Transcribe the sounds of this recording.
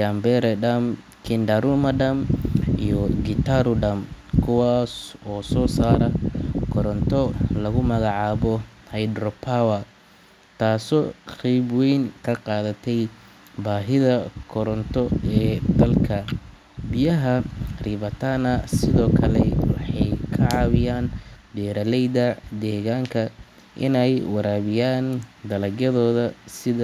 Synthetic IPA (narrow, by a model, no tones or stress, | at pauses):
ambɛɾɛɖɐm | kʰɪndɐɾumɐɖɐmijɔɡɪt̪ʰaɾʊɖɐmkʰʊwaːsɔːsɔːsaːɾɐkʰɔɾɔnt̪ʰɔlɐɣʊmɐɣɑʕɑːβɔ | hɐjd̪rɔpʰawɐ | t̪ʰaːsɔːqɛjbwɛjŋkʰɐqɑːðɐt̪ʰɛj | baːɦɪðɐkʰɔɾɔnt̪ʰɔɛːd̪ɐlkʰɐ | bɪjɐɦɐriːβɐt̪ʰaːnɐsɪðɔːkʰɐlɛwɑ̰ħɑjkʰɐʕɑːβɪjaːnd̪ɛːɾɐlɛjðɐd̪ɛːɣaːŋkʰɐ | ʔɪ̰nɛjwɑɾaːβɪjaːnd̪ɐlɐɣjɐðɔːðɐsɪðɐ